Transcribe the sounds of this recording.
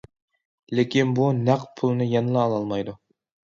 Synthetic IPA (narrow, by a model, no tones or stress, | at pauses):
lekʲʰinbunæqpʰulˠɨnɨjɛnɨlˠɑːlˠɑlˠmɑjd̪u